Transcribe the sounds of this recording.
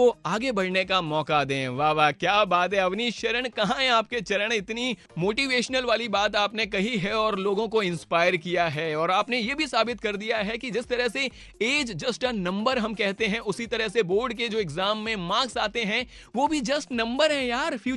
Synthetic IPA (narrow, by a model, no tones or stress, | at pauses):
oaːɡebɐɽnekamɔːkad̪ẽːʋaːʋaːkjaːbaːt̪ɦɛɐʋniʃɐɾəɽ̃kɐɦãɦɛ̃aːp̚ket͡ʃɐɾəɽ̃ɪt̪ni | moːʈiʋeːʃnəlʋaːlibaːt̪̬aːpnekɐɦiɦɛɔːɾloːɡõkoɪ̃nspaːɪəɾkijaɦɛːɔːɾaːpnejebʱisaːbɪt̪kɐɾd̪ijaɦɛkid͡ʒɪst̪ɐɾəɦse | eːd͡ʒd͡ʒɐsʈanɐ̃mbəɾɦɐmkɛɦt̪eɦɛ̃ʔʊsit̪ɐɾəɦseboːɾɖk̬ed͡ʒoːɪɡzaːmːẽmãːɡsaːt̪eɦɛ̃ | ʋoːbʱid͡ʒɐsʈnɐ̃mbəɾɦɛ̃jaːɾfʰjuː